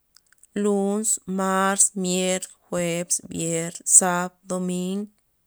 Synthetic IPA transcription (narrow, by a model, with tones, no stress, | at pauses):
lu˦nsma˦ɾsmje˦ɾxwe˧bsbje˧ɾsa˦b̚d̪o˧mi˦ŋɡ